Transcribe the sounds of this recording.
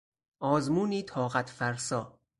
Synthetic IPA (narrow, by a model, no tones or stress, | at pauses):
ɒːzmuːniːt̪ʰɒːɣæt̪ʰfæɾsɒː